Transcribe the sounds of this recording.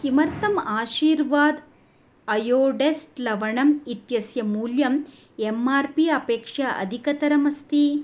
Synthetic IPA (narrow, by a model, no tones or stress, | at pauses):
kimɐɾt̪ɐmaːʃiːɾʋaːd̪ | ɐjoːɖesʈlɐʋɐɳɐmit̪jɐsjɐmuːljɐm | emaːɾpiɐpeːkʂɐʔɐ̰d̪ʱikɐt̪ɐɾɐmɐst̪i